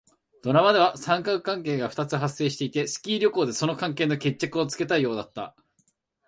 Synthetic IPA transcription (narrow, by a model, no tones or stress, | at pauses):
d̪̥o̞ɾamad̪e̞βasãŋkakɯ̟̥kãŋk̬e̞ːɡaɸɯ̟̥t̪at͡sɨɦasːe̞ːɕi̥t̪eit̪e̞sɨ̥kʲiːɾʲo̞koːd̪e̞so̞no̞kãŋke̞ːno̞ke̞t͡ɕːakɯ̟o̞t͡sɨ̥ke̞t̪aijo̞ːd̪at̪ːa̰